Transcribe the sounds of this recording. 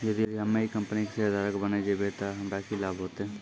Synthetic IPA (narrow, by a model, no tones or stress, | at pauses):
jɐd̪iiɦɐmːẽikɐ̃mpnikeseɐd̪aːɾəkbɐned͡ʒebet̪aɦɐmɾakilaːbɦoːt̪eɦɛ̃ː